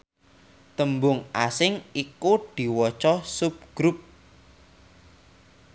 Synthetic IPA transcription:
t̪əmbʊŋasɪŋikud̪̥i̤wɔt͡ʃɔsup̚ɡ̥ɾup̚

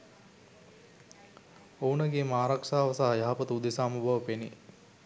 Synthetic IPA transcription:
ownəɡeːmaːɾakʂaːʋɐsaːjaɦapət̪ud̪esaːmubʱɐʋəpenḭ

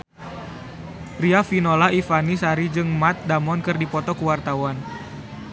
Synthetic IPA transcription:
riafinolaifanisaɾid͡ʒɨŋmat̪̚damɔnkɨrdipɔt̪ɔkuwart̪awan

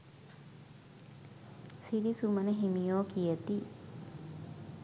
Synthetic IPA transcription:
siɾisumənəɦimijoːkijət̪i

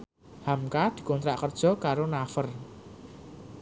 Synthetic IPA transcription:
hamkad̪̥i̤kɔnt̪ɾaʔkərd̥ʒ̥ɔ̤kaɾonafər

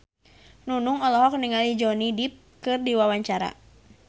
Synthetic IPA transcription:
nunuŋɔlɔɦɔk̚niŋalid͡ʒɔnidip̚kɨrdiwawaɲt͡ʃaɾa̰

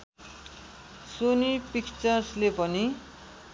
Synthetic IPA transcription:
sonipikt͡sʌrslepʌni

